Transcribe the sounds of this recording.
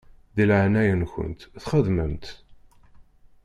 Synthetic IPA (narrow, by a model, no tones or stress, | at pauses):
ðilʕanæjənçə̰nt̪θχəðməmt̪